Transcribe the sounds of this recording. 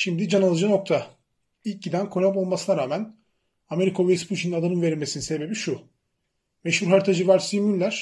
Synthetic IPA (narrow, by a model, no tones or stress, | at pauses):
ʃimd̪id͡ʒanalˠɯd͡ʒɯno̞k̚t̪ʰa | ilʲc̚ɟid̪ænkʰo̞napo̞lˠmasɯnaɾaːmæn | ame̞ɾikʰavespʰuʃiniad̪anɯnveɾilʲmesininse̞be̞biʃu | meʃhuɾɦaɾt̪ʰad͡ʒɯvaɾsimylːʲæɾ̥